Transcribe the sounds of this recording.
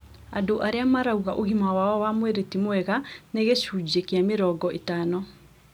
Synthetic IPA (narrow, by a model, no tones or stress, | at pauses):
adoʔaɾeamaɾauɣaʔoɣimawaɔwamweɾetimwɛɣaneɣeɕuːd͡ʑiekiameɾɔːɡɔʔetaːnɔ